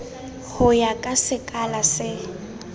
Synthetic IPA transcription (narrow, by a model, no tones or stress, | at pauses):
hʊjakʼasɪkʼalasɪ